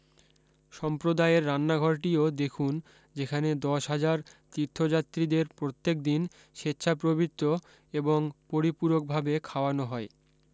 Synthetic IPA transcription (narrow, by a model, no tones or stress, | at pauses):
ʃɔmpɾod̪aeɾːanːaɡʱɔɾʈiod̪ekʰun | d͡ʑekʰaned̪ɔʃɦad͡ʑaɾt̪iɾt̪ʰːod͡ʑat̪ːɾid̪eɾpɾot̪ːek̚d̪in | ʃetːɕʰapɾobit̪ːɾo | eboŋpoɾipuɾok̚bʱabekʰaoanoɦɔe